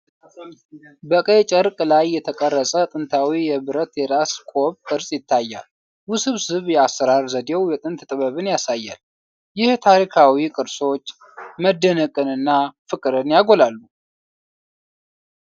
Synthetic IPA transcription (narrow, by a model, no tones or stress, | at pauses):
bəkʼət͡ʃʼəɾkʼlajːɛt̪ʰəkʼərːəsʼət̪ʼɨnt̪ʰawijɛβɨɾət̪jɛɾaskʼo̞βkʼɨɾsʼjɪt̪ʰːajːa̰l | wʊsɨβsɨβjɛasːəɾaɾzəd̪ewjɛt̪ʼɨnt̪ʰɨt̪ʼɨβəβɨnjasajːa̰l | jɪht̪ʰaɾikʰawikʼɨɾso̞t͡ʃː | məd̪ːənəkʼɨnɨnːafɨkʼɨɾɨnjaɡo̞lalːu